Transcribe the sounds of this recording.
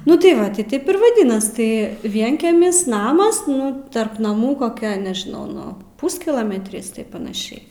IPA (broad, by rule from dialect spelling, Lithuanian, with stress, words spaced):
ˈnʊ tɐɪ ˈʋɐ ˈtʲɪ ˈtʲeːp ɪr ʋɐˈdʲɪnɐs ˈtɐɪ ˈʋʲiɛŋʲkʲɛmʲɪs ˈnɑːmɐs ˈnʊ ˈtɐrp nɐˈmuː koːˈkʲɛ nʲɛʒʲɪˈnɐʊ ˈnʊ ˈpuːsʲkʲɪlˠoːmʲɛtʲrʲɪs tɐɪp pɐnɐˈʃʲɛɪ